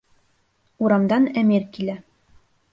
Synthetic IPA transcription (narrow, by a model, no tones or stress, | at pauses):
uɾɑmd̪ɑnæmiɾkilæ